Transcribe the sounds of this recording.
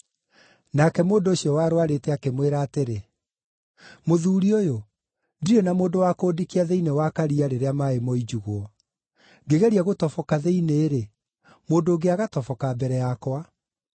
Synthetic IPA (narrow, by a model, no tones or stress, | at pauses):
nakɛmoːndoːɕiɔwaɾoaɾetɛakemweɾaːteɾe | moðuːɾiojo | ndiɾɔnamoːndowakoːdikiaðeinewakaɾiaɾeɾeamaemɔid͡ʒuɣwɔ | ŋɡeɣɛɾiaɣotɔfɔkaðeineːɾe | moːndoːɡeaɣatɔfɔkabɛɾɛjakwa